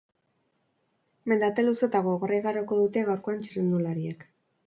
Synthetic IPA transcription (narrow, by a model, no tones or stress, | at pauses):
me̞nd̪at̪e̞luso̞t̪aɣoɣorejɣaɾoko̞ðut̪e̞ɣawɾkoant͡ʃiɾend̪ulaɾiek